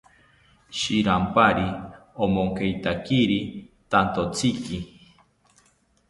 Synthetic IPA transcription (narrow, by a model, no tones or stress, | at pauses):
ʃiɾampaɾiomoŋkejt̪akiɾit̪ant̪ot͡sʰiki